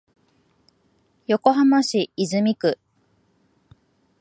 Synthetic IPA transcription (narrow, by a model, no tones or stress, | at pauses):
jo̞ko̞ɦamaɕiːzɨmʲikɯ̟